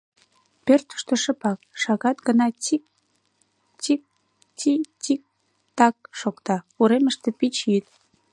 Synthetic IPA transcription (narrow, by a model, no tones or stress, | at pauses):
pørt̪ə̥ʃt̪ə̆ʃə̆pɑk̚ʃɑɣɑt̪ɡənɑt͡ɕik̚ | t͡ɕik̚ | titik̚ | t̪ɑk̚ʃokt̪ɑ | uɾeməʃt̪ĕpit͡ɕjyt̪